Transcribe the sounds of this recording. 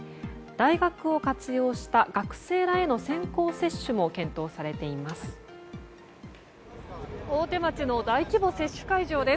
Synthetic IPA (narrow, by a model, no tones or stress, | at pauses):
d̪̥aiɡakɯ̟o̞kat͡sɨjo̞ːɕi̥t̪aɡ̥akɯ̟̥se̞ːɾae̞no̞sẽ̞ŋko̞ːse̞ɕːɨmo̞kẽ̞nt̪o̞ːsaɾe̞t̪e̞imasɨ̥ | oːt̪e̞mat͡ɕino̞d̪aikʲibo̞se̞ɕːɨ̥kaiʑo̞ːd̪e